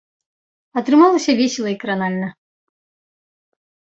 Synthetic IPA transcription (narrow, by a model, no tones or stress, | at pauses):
ɐt̪ɾɨmalˠɐsʲɐvʲesʲɪlˠɐikɾanalʲnɐ